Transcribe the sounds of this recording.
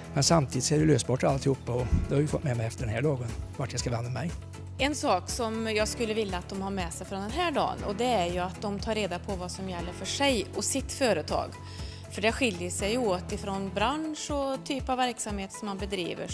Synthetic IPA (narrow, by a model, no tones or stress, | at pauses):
mɛnsamt̪ʰiːd̪ɪtskadɾjɪløːst̪̚bɔʈːalt̪ɪhuːpːaɔd̪ɛhaɾjɪfɔt̪ːmɛmɛɪɛft̪əɖɛnhæːɭoːɡənvaʈjajskavɛnd̪ɾamɛj | ɛnsɑːksɔmjɑːɡskɵlːəvɪljːaːt̪̚d̪ɔmhaɾmɛsɛjfɾɔnd̪ɛnɦæːɖɑ̰ːnɔd̪ɛæɾjɵat̪̚d̪ɔmt̪ʰɑːɾːeːd̪apʰɔvɑsɔmjɛlːəɾfœʂɛjɔsɪt̪ːfœːɾət̪ʰɑ̰ːɡ | fœɖɛɧɪljəʂɛjoːt̪ɪfɾɔnbɾanʂɔt̪ʰyːpavːæɾksamheːt̪sɔmːanbɛd̪ɾḭːvə̰